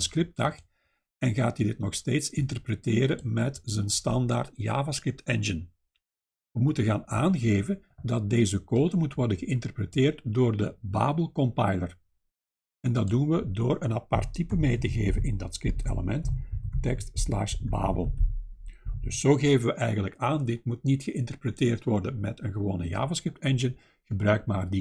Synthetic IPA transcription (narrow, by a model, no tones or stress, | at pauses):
nskrɪp̚tɑxt | ɛnɣaːtidɪt̚nɔxsteːtsɪntərpɾəteːɾəmɛtzənstɑndaːrtja̰ːvaskrɪp̚tɛnʒən | ʋəmutəɣaːnaːnɣeːvəndɑt̚deːzəkoːdəmutʋɔrdənɣəɪntərpɾəteːrtdoːrdəba̰ːbəlˠkɔmpajlə̰r | ɛndɑt̚dunʋədoːrənapɑ̰rtːipəmeːjtəɣeːvənɪndɑtskrɪp̚tʰḛlə̰mɛnttɛkstsla̰xsba̰ːbəlˠ | d̥ɵsoːɣeːvənʋəʔɛjɣənləkaːndɪt̚mut̚nitxəʔɪntərprəteːrtʋɔrdəmɛ̰tənɣəʋo̰ːnəja̰ːvəskrɪp̚tɛnʒən | ɣəbɾœɥkmaːrdi